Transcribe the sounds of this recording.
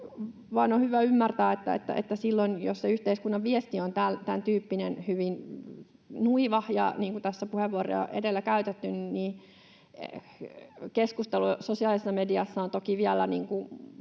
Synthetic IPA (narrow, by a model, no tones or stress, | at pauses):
ʋɑinohyʋæymːært̪æːet̪ːæ̰ḛt̪ːæ̰ʔḛt̪ːæsilːonjo̰sseyht̪eiskunːɑʋʋiest̪iont̪ælt̪ænt̪yːpːinenhyʋin | nuiʋɑhjɑ̰niːŋkut̪æsːæpuheʋːuoɾḛɑ̰ʔḛdelːækæyt̪et̪ːynniː | keskust̪elusosiɑˑlisesːɑmediɑsːɑont̪okiʋiælːæ̰niːŋku